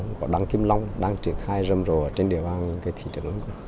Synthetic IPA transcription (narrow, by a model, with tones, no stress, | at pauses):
ŋkɔ˨˦ɗa˧ŋki˧mla˧wŋ͡mɗaː˧ŋt͡ɕi˧˩ənxaː˧jzə˨˩mzo˨˩ə˨˩t͡ɕe˧nɗi˧˩əɓaː˧nkaː˨˦jt̪ʰḭ˧˩t͡ɕə̰˨˧˩ʔə˨˧˦k